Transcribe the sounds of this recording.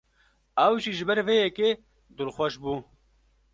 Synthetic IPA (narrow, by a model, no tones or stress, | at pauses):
ɐwʒiʒɪbɐɾveːjɛkeː | d̪uɾxwɐʃbuː